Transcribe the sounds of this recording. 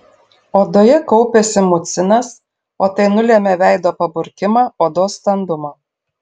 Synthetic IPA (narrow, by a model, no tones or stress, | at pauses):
oːd̪oːjɛkɔʊpʲesʲɪmʊt̪sʲɪnɐs | oːt̪ɐɪnʊlʲeːmʲɛʋʲæɪd̪oːpɐbʊɾʲkʲɪmɑːoːd̪oːst̪ɐnd̪ʊmoː